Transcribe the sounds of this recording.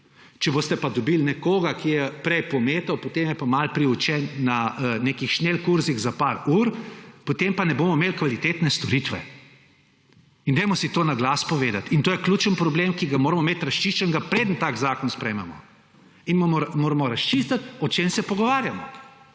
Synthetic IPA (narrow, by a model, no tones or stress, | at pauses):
t͡ʃɛboːst̪ɛpad̪ɔbilnɛkoːɡakijɛpɾɛjpɔmeːt̪ɔwpot̪emjɛpamalpɾiut͡ʃɛnːanekixʃnelkuɾziɣzapaːɾuːɾpot̪empanɛboːmɔmelkʋalit̪eːt̪nɛst̪ɔɾit̪ʋɛ̰ | ind̪ɛjmɔsit̪oːnaɡlaspɔʋeːd̪at̪int̪oːjɛklʲut͡ʃənpɾɔblemkiɡamoːɾmɔmet̪ɾɐst͡ʃiʃt͡ʃənɡapɾeːd̪ənt̪aːkzaːkɔnspɾɛjmɛmɔ̰ | inmomɔmoːɾamɔɾɐst͡ʃist̪at̪ɔt͡ʃemsɛpɔɡɔʋaːɾjamɔ